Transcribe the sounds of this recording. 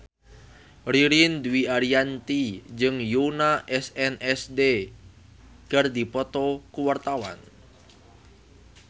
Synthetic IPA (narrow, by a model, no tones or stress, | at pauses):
riɾind̪wiaɾiant̪id͡ʒɨŋjunaʔɛsɛnɛsde | kərd̪ipɔt̪ɔkuwart̪awa̰n